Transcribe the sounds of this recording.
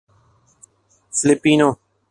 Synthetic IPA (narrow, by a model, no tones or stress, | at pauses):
slepiːno